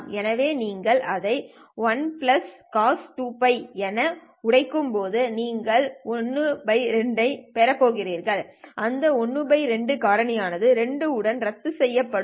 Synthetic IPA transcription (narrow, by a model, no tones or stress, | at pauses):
ɛnɐʋeːniːŋɡɐɭʔɐðɐɪ | ʋɐnplɐskaːsʈuːpɐɪɛnɐ | ʊɽɐɪkːɯmpoːðɯniːŋɡɐɭɔnːɯbɐɪɾɛɳɖɐɪpɛɾɐpːoːɣɪriːɾɣɐɭʔɐnd̪ɐɔnːɯbɐɪɾɛɳɖɯkaːɾɐɳɪjaːnɐðɯɾɛɳɖɯʊɽɐnɾɐt̪ːɯsɛjːɐpːɐɽ